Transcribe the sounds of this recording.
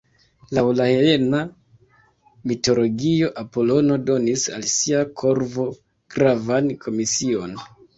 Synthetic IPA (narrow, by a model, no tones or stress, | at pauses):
lawlaheena | mito̞lo̞ɡio̞ʔapo̞lo̞no̞do̞nisa̰lsiakʰo̞ɾvo̞ | ɡ̥ɾavankʰo̞misio̞n